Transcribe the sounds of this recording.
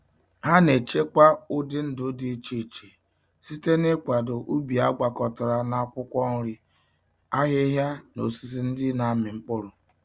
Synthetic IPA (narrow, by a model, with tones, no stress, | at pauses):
ha˦ne˨t͡ʃe˦kʷa˦ʊ˦dɪ˦n̩˦dʊ˨˦di˦t͡ʃi˦˨t͡ʃe˨ | si˦te˦nɪ˦kʷa˨dʊ˨ʔu˦bi˨a˦ɡ͡ba˨kɔ˨tʊ˨ɾa˨na˦kʷʊ˦kʷɔ˦n̩˦ɾɪ˦ | a˦ɦe˦ɦja˦no˨si˦zi˦n̩˦dɪ˦na˨˦mɪ˨ŋ͡m̩˦k͡pʊ˦ɾʊ˨